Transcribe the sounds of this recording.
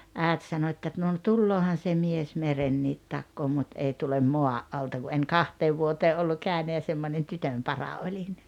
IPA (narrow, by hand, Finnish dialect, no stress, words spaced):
æˑet sɑno etːæ no n tulːoːhɑn se mies merenːiːt tɑkːoː mut ei tulem moɑʔ ʔɑltɑ ku en kɑhteːʋ ʋuoteː olːu kæˑynæ jɑ semːonʲen tytømpɑrɑ olʲin